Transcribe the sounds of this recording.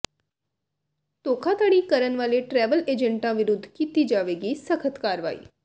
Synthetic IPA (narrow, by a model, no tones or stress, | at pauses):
t̪oːkʰãːt̪aːɽiːkəɾənʋaːleːʈɾɛːʋəleːd͡ʒə̃ɳʈãːʋɪɾʊd̪ʱːkiːt̪iːd͡ʒaːʋeːɡiːsəkʰət̪kaːɾʋa̰ːḭː